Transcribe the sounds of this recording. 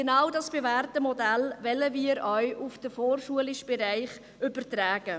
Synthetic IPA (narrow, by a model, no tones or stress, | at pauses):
ɡ̥enɑwdɑsb̥evæːrtəmɔdælvɛləviːɾœɥʔufd̥əfoːrʃuəlɪʃb̥eɾæɪχ | ʏbətɾæːɡ̥ə